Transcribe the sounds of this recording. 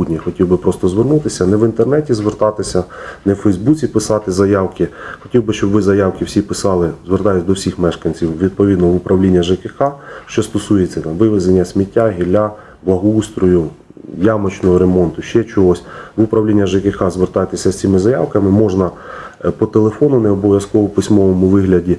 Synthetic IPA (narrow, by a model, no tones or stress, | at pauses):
udʲnʲixɔtʲiwbɪpɾɔst̪ɔzʋernut̪ɪsʲɐnɛʋɪnt̪ernɛtʲizʋert̪ɑt̪ɪsʲɐnɛwfɛjzbut͡sʲipɪsɑt̪ɪzɐjɑwkɪxɔtʲiwbɪʃt͡ʃɔbʋɪzɐjɑwkɪwsʲipɪsɑlˠɪzʋert̪ɑjʊtʲd̪ɔwsʲixmɛʃkɐnʲt͡sʲiwʋʲid̪̚pɔʋʲid̪nɔʋʊpɾʔɐwlʲinʲːɐʒekɪxɑʃt͡ʃɔst̪ɔsujet͡sʲɐnɐʋɪʋɪzenʲːɐsʲmʲitʲːaɦʲilʲa | blˠɐɦɔust̪ɾɔjʊ | jamɔt͡ʃnɔɦɔɾemɔnt̪ʊʃt͡ʃɛt͡ʃɔɦɔsʲʋʊpɾɐwlʲinʲːɐʒekɪxɑzʋert̪ɑjt̪ɪsʲɐsʲt͡sʲimɪzɐjawkɐmɪmɔʒnɐ | pɔt̪elˠefɔnʊnɛɔbɔʋʲjɐskɔʋɔpɪsʲmɔʋɔmʊʋɪɦlʲɐdʲi